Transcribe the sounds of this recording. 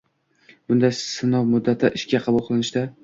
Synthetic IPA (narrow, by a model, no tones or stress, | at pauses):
bʊnd̪asɪnɒwmʊd̪ːat̪ʰɪʔɪʃkʲaqʰɑbʊlˠqʰɨlˠɪnɪʃd̪a